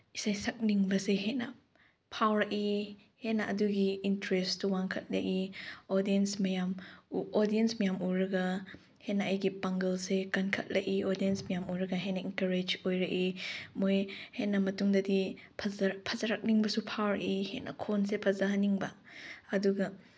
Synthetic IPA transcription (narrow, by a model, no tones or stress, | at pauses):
isajsɐk̚niŋbɐseɦetnɐ | pʰawɾɐki | henɐʔɐduɡiːntɾestʰuwaŋkʰɐt̚lɐ̰ʔiodiensmɐjamuodiensmɐjamuɾɐɡɐ | henaɐjɡipaŋɡɐlsekɐnkʰɐt̚lɐʔiodiensmɐjamuɾɐɡɐɦenɐenkɐɾed͡ʒojɾɐkimojhenɐmɐtuŋdɐdipʰɐzpʰɐzaɾak̚niŋbɐsupʰawɾɐkihetnʔɐ̰kʰonsepʰɐzaɦɐniŋbɐːduɡɐ